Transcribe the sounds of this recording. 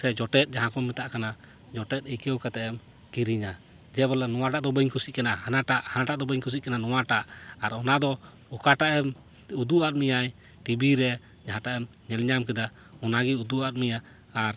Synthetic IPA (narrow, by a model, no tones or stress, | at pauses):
sɛd͡ʒɔʈɛt̪̚d͡ʒaɦãkɔmit̪aʔkana | d͡ʒɔʈɛt̪̚əjkɛwkat̪ɛʔɛm | kiɾiɲa | d͡ʒɛbɔlanɔwaʈaʔd̪ɔbəɲkʰusiʔ̚kɛnahanaʈaʔhanaʈaʔd̪ɔbəɲkʰus̬it̪̚kananɔwaʈaʔaɾɔnad̪ɔ | ɔkaʈaʔɛm | ud̪uʔat̪̚mijaj | ʈibiɾɛ | d͡ʒaɦãʈaʔɛm | ɲɛlɲamkɛd̪a | ɔnaɡɛud̪uʔat̪̚mijaː | ɾ